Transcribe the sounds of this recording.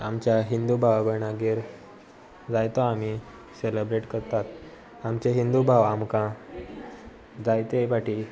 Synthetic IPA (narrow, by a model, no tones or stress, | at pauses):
a̰mt͡ɕjaɦind̪ubʱaʋaɡəɳaɡeɾ | d͡zajt̪oam̤i | selebɾeʈkəɾt̪at̪ | amt͡ɕeɦind̪ubʱaʋamkã | d͡zajt̪ebaʈi